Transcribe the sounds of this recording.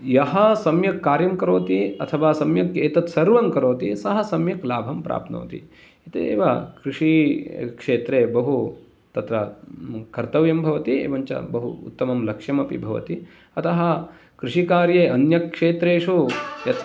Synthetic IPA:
jɐɦɐsɐmjɐkːaːɾjɐmkɐɾoːt̪iɐt̪ʰɐʋaːsɐmjɐkeːt̪ɐt̪sɐɾʋɐmkɐɾoːt̪isɐɦɐsɐmjɐklaːbʱɐmpɾa̰ːp̪̚no̰ːt̪ḭ | it̪eḛːʋɐkɾuʂikʂeːt̪ɾeːbɐɦu | t̪ɐt̪ɾɐkɐɾt̪ɐʋjɐmbʱɐʋɐt̪iḛːʋɐɲt͡ʃɐ̰bɐɦṵːt̪ːɐmɐmlɐkʂjɐmɐpḭbʱɐʋɐ̰t̪i | ɐt̪ɐɦɐ̆ | kɾuʂikaːɾjeːɐnjɐkʂeːt̪ɾeːʂujɐt̪

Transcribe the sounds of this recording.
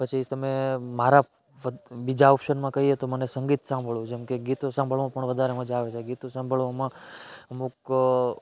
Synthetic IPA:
pət͡ʃʰit̪əmemaɾa | ʋəbid͡ʒaɔpʃənmãkəɦiet̪omənesəŋɡit̪sãmbʱəɭũd͡ʒɛmkeɡit̪osãmbʱəɭʋãpəɳʋəd̪ʱaɾemə̃d͡ʒaʋet͡ʃʰeɡit̪osãmbʱəɭʋomãəmuk

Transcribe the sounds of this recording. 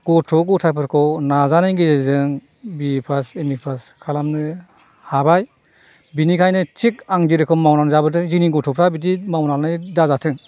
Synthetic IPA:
ɡ̥ɔtʰɔɡɔtʰapʰɯɾkʰɔwnazanajɡizɯŋ | bipʰasemipʰas | kʰalamnɯ | habaj | binikʰajnɯtʰik̚aŋdiɾɯkʰɯmawnanzabɯt̬ɯŋziniɡɔtʰɔpʰɾabit̬imawnanɯjdazatʰɯŋ

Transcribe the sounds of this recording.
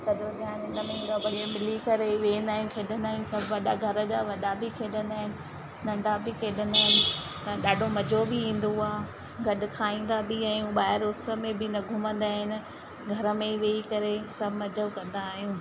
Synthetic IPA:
sɐʄod͡ʑãnɪnəmẽɡabɐɽẽmɪlikɐɾeiʋeːə̃nd̪aːɦijũkʰeːɗənd̪aːɦĩũsɐbʱʋɐɗaɡʱɐɾəd͡ʑaʋɐɗabɪkʰeːɗənaːɦɪnɪ̆ | nɐ̃ɳɖʱabʱɪkʰeːɗənaːɦɪnɪ̆ | t̪ɐɗaːɖʱomɐd͡ʑʱobɪĩːn̆d̪oaː | ɡɐɗʊ̆kʰaːĩːn̆d̪abɪaːɦijũɓaːɦɪɾʊsə̆mẽbɪnɐɡʱʊmə̃nd̪aːɦɪnɪ̆ | ɡʱɐɾə̆mẽiʋeːikɐɾesɐbʱɪmɐd͡ʑəkɐ̃nd̪aːɦijũː

